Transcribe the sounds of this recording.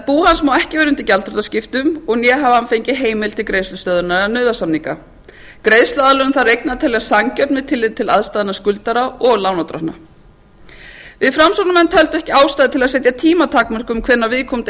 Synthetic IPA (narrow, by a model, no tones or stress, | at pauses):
puːhansmawɛhcɪvɛːɾʏʏnt̪ɪcalt̪ɾɔɾt̪ascɪft̪ʏmɔɣnjɛɦavanfejɲcɪɦeːjmɪlt̪ʰɪlkɾeːjslʏst̪œːðʏnaanœːðasamniŋka | kɾejst̪lʏaðlœʏmθarejknaat̪ʰɛlːɛɣasaŋcœɾt̪nvɪðt̪ʰɪlːɪðt̪ʰɪlaðst̪aːðɪnaskʏlt̪aɾaɔɣlawnawt̪ɾahna | vɪðfɾamsɔwɾnamɛnt̪hœlt̪ʏɛhcɪaːwst̪aːjðɪt̪ʰɪlaðsɛt̪jat̪ʰiːmat̪ʰaːkmœr̥kʏmkʰvɛnːavɪðkʰɔmt̪